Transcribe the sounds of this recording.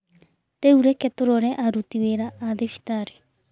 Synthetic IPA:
ɾeuɾeketoɾɔɾɛʔaɾutiweɾaʔːðefi̥taɾe

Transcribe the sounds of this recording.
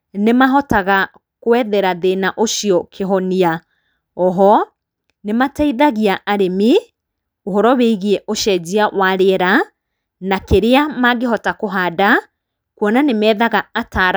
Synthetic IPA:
nemaɦɔtaɣa | kwɛðɛɾaðenaʔoʃjɔkʰeɦɔnia | ɔɦɔ | nemataiðaɣiaʔaɾemi | oɦɔɾɔweiɣiɛʔoʃɛd͡ʑiawaɾeɛɾa | nakeɾeamaɡeɦɔtakoɦaːda | kwɔnanemɛːðaɣaːtaɾ

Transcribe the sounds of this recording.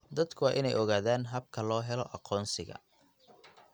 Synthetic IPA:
d̪ɐd̪kʰʊwɑːʔɪnɛjɔɣaːðaːnɦɐb̚kʰɐlɔːɦɛlɔʔɑqʰɔːnsɪɣɐ̰

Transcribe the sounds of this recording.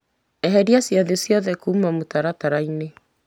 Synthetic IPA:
ɛɦɛɾiasjaðesjɔðɛkuːmamotaɾataɾaine

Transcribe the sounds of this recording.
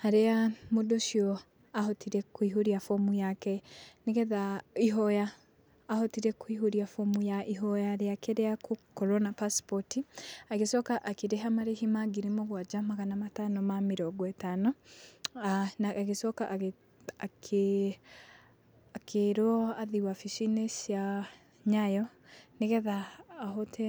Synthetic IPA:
haɾeamodoʃiɔ | aɦɔtiɾɛkuiɦoɾiafɔmujakɛnekɛðaiɦɔjaː | hɔtiɾɛkwiɦoɾiafomujaʔiɦɔjaɾeakeɾeakokɔɾɔnapaspɔtiaɣesɔkaʔakeɾeɦamaɾehimaɡiɾimoɣwad͡ʒamaɣanamatanɔmameɾɔɡɔɛtanɔ | anaaɣesɔkaʔ | akʰe | akʰeɾɔaðiwafiʃinesja | ɲajɔneɣɛðaːɦɔtʰɛ

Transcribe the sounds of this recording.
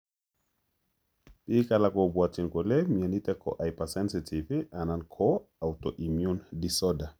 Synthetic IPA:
pikalakobwatinkolɛmianit̪ɛko̰ʔajpasɛnsitʰiviʔanankʰɔawtoʔimjundisɔda

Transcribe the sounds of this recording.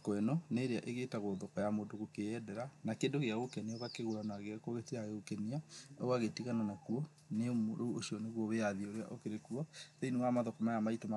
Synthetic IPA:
kwɛnɔneɾeaʔeɣetaɣoðɔkɔjamoːndoɣokeɛdɛɾanakendoɣeaɣokɛnioɣakeɣoɾanaɣekoɣetiaɣeɣokɛniaɔɣaɣetiɣananakuɔ | nemɾouoʃiɔneɣwɔβeaðioɾea̰ʔokeɾekuɔðeinemamaðɔkɔmajamaitoma

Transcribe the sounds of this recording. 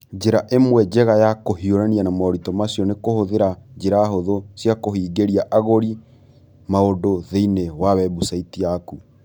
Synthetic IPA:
d͡ʒeɾaʔemwɛd͡ʒɛɣajakohioɾɛnianamɔɾitɔmasjɔnekohoðeɾad͡ʒeɾaɦoðosjakohiːɡeɾiaʔaɣoɾi | maodoðeinewawɛβusaitiaku

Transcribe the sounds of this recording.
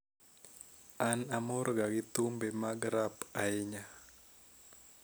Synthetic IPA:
anamɔrɡaɡɪt̪umbemaɡɾapaɪɲa

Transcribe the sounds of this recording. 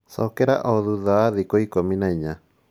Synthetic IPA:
sɔkɛɾa̰ʔɔðuðaaðikoikominaiɲa

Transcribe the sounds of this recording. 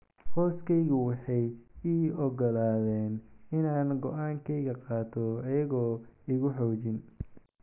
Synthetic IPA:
hɔːskʰɛjɣʊwɑħɑjiɔɡɔlaːðɛːnɪnaːnɡɔʔaːŋkʰɛjɣɐqɑːt̪ʰɔɐjɐɣɔːɪɣʊħɔːt͡ʃɪn

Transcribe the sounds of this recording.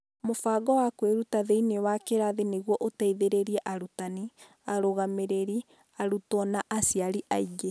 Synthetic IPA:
mofaɡɔwakweɾutaðeinewakeɾaðeneɣwɔʔotaiðeɾeɾiɛʔaɾutani | aɾoɣameɾeɾi | aɾutɔnaʔasjaɾiʔaiɡe

